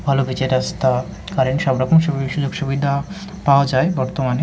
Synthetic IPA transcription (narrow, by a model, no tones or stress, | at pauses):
bʱalobʱit͡ɕeɾast̪a | kaɾenʃɔbɾɔkomʃuʃud͡ʑoɡʃubid̪ʱa | paoad͡ʑaebɔɾt̪omane